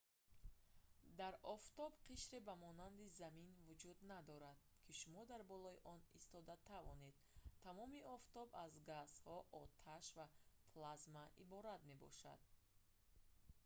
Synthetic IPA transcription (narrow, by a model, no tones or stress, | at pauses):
d̪aɾɔft̪ɔbqʰiʃɾebamɔnand̪izaminvud͡ʒud̪nad̪ɔɾad̪̥̚kʰiʃumɔd̪aɾbɔlɔiʔɔnḭst̪ɔd̪at̪ʰavɔ̰ne̞d̪̥ | t̪ʰamɔmiɔft̪ɔbazɡashɔʔɔt̪ʰaʃvapʰlazmaʔibɔɾad̪me̞bɔ̰ʃa̰d̪̥̚